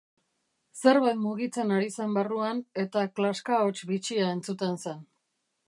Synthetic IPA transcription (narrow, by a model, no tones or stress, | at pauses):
se̞ɾβajt̪muɣit͡se̞naɾise̞mbaruane̞t̪aklaskaot͡ʃβit͡ʃiae̞nt͡sut̪e̞nsen